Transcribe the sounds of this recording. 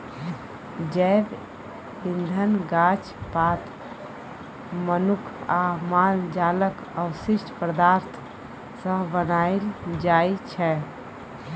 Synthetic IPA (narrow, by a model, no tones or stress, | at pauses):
d͡ʒɛb | ind̪ʱənɡat͡ʃ | pat̪ | mənukʰamald͡ʒalək | əwsiʃʈpɾəd̪aɾt̪ʰ | səɦbənajld͡ʒajt͡ʃʰɛ